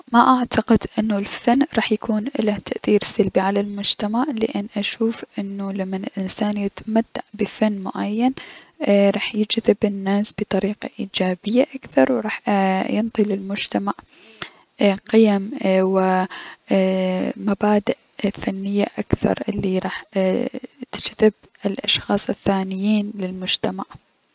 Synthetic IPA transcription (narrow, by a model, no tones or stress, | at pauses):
maʔaʕt̪aqɪd̪ʔɪnːulfanːɾˤɑːħjakʰuːnʔɪlat̪ʰaʔθiːɾsalbiʕalalmʊd͡ʒt̪amaʕlɪʔɪnːʔaʃuːfʔɪnːulamːanɪlʔɪnsaːnjɪt̪mat̪ːaʕbɪfanːmʊʕajːan | ɾˤɑːħjɪd͡ʒðɪbɪnːaːsb̥ɨt̪ˤɑɾiːqa̰ʔiːd͡ʒaːbɪjːaʔakθɑɾˤwɾˤɑːħjɪnt̪ˤilɪlmʊd͡ʒt̪amaʕ | qɪjamwɪ | mabaːd̪ɪʔ | fanːɪjːaʔakθɑ̰ɾˤʔɪlːiɾˤɑːħ | t̪ɪ̥d͡ʒðɪb | ɪlʔɑ̰ʃxɑːsˤɪθːaːnɪjːiːnlɪlmʊd͡ʒt̪amaʕ